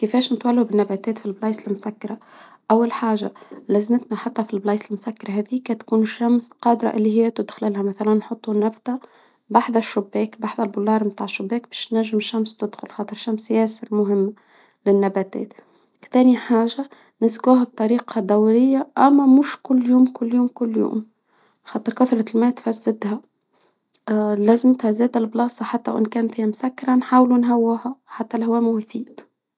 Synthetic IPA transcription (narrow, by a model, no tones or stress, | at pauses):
kɪfɛːʃnɪt̪wælːubɪnːabæːt̪ɛːt̪filblɑːsɪlmʊsakːɑɾˤa | ʔawːalħaːʒa̰læzmət̪naħat̪ˤːɑfilblɑːsɪlmʊsakːɑɾˤɑɦæːðiːkɛt̪kuːnʃːamsqɑːd̪ɾˤɑ̰ʔɪlːihɪjːæt̪ʊd̪xlɪlhæmæθælænːħʊt̪ˤːunæbt̪a | baħðaʃːʊbːɛːkbaħðalbʊlːɑːɾmt̪aːʕɪʃːʊbːɛːkbɛːʃnnæʒːɪmʃːamst̪ɪd̪xʊlxɑːt̪ˤəɾʃamsjæsɪɾmʊɦɪmːa | lɪnːæbæt̪ɛ̰ːt̪ | kt̪æːniħaːʒa | nɪsɡuːɦæb̚t̪ˤɑɾiːqɑd̪æwɾɪjːaʔæmːæmʊʃkʊlːjuːmkʊlːjuːmkʊlːjṵːm | xɑːt̪ˤɨɾkʊθɾˤɑlmæːt̪fæzːɪd̪hæ | læzɪmt̪hæzæːd̪ɪlblɑːsˤɑħat̪ːæ̰wʔɪ̰nkæːnt̪hɪjæmʊsækːɪɾˤanħaːwlunɦæwːʊhæħat̪ːælhwæmwθiːd̪